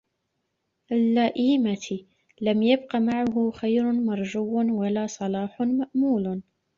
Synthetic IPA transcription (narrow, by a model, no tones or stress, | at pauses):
ʔalːaʔiːmat̪ | lamjab̚qɑmaʕʊɦʊxajɾʊmɑɾˤd͡ʒuwːnwalaːsˤɑlɑːħʊmaʔmuːl